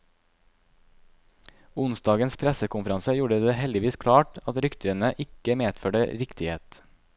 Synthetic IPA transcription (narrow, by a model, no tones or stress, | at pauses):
ʊnsd̪ɑːɡənspʰɾɛsəkʊnfəɾɑnsəjuːɖəd̪eːhɛld̪ɪʋiːskʰɽɑːʈɑt̪ɾʏkt̪ʰɾənəʔɪkəmeːd̪føːɖəɾɪkt̪ɪheːt̪